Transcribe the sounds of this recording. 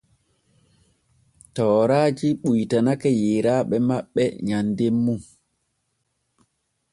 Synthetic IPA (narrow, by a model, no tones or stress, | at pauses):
tɔːɾaːd͡ʒiɓujtanakɛjiɾaːɓɛmaɓːɛ̰ɲandemːu